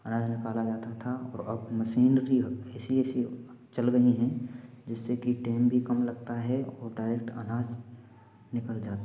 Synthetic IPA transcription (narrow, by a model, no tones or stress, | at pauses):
ənaːd͡ʒnɪkaːlad͡ʒaːt̪at̪ʰaɔ̰ːɾɐbməʃiːnɾiɦɛːsiɛːsi | t͡ʃɐlɡɐɦiɦɛ̃ | d͡ʒɪsːekiʈeːmbʱikəmlɐɡt̪aɦɛɔːɾɖaɪɾek̚ʈə̰naːd͡ʒ | nɪkəld͡ʒaːt̪a